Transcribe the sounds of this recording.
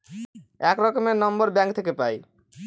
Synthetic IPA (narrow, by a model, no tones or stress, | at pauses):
ɛkɾɔkomenɔmboɾbɛŋk̚t̪ʰekepaj